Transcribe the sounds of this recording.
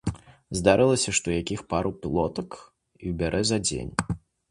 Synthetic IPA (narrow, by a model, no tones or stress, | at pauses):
zd̪aɾɨlˠɐsʲɐʂt̪ɔjakʲixpaɾʔupʲilˠɔt̪ɐk | iwbʲaɾʔɛzɐd͡zʲḛnʲ